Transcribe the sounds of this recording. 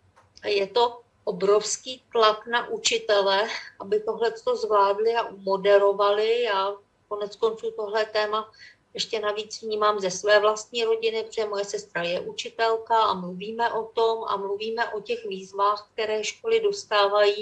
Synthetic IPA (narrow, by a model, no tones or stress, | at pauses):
jɛt̪o̞ | ʔobɾo̞fskiːt̪lak̪naʔut͡ʃɪt̪ɛlɛʔabɪt̪o̞ɦlɛt͡st̪o̞zvlaːdlɪaʔumo̞dɛɾo̞valɪjaː | ko̞nɛt͡sko̞nt͡suːt̪o̞ɦlɛt̪ɛːma | jɛʃcɛnaviːt͡svɲiːmaːmzɛsvɛːvlast̪̚ɲiːɾo̞ɟɪnɪpo̥ɛjɛmo̞jɛsɛst̪ɾajɛʔut͡ʃɪt̪ɛlkaamluviːmɛʔo̞t̪o̞mʔa̰mluviːmɛʔo̞cɛxviːzvaːxk̚t̪ɛɾɛːʃko̞lɪdo̞st̪aːvajiː